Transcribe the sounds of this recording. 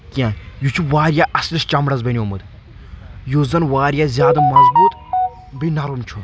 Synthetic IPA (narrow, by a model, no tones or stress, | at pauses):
kiaːjut͡ʃʰuʋaːɾjaʔɐslist͡ʃɐmɽɐzbɐnʲomɨd̪ | joːzɐnʋaːɾijazʲjaːd̪ɐmɐzbuːt̪ | binɐɾumt͡ʃʰu